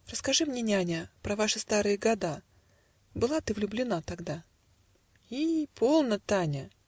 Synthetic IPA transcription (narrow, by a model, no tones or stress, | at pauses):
rəskɐʐɨmnʲenʲanʲəpɾɐvaʂɨst̪aɾɨjəɡɐd̪a | bɨlˠat̪ɨvlʲʊblʲɪnat̪ɐɡd̪a | ipʰolˠnət̪anʲə